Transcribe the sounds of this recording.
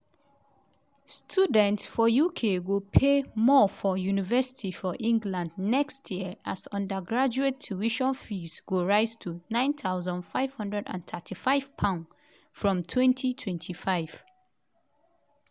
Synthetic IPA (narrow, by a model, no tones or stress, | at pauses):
stʰudɛ̃ntsfɔjukʰewupʰemɔfɔjunivɛsi̥tʰifɔʔĩŋɡlãndnɛkstʰjiəʔasʌ̃ndəɡɹad͡ʒuet̚t͡ʃʰuiʃɔ̃nfizɡuɹaɪztʰunãɪ̃nθaʊzə̃ndfaɪv̥hʌ̃ndɹɛdã̰nθʰɛtʰifaɪv̥pʰãʊ̃n | fɹɔ̃mtʰwɛ̃ntʰitʰwɛ̃ntʰifaɪv̥